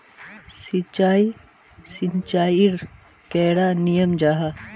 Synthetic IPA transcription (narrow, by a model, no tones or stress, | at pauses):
sit͡ʃaːi | siɲt͡ʃaːiɾ | kɛːɽaːnijəmd͡ʒaːɦa